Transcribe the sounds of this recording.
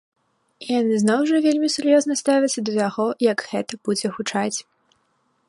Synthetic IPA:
ijanɨznɔwʐɐvʲelʲmʲisʲuɾjɔznɐst̪avʲɛɐt̪sːɐd̪ɐt̪aɣɔjɐɡɣɛt̪ɐb̥ud͡zʲɛxut͡ʂat͡sʲ

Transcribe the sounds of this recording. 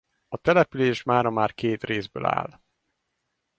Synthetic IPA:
ɒt̪ɛlɛpyleːʃmaːɾɒmaːrkeːt̪reːzbø̰ːla̰ːl

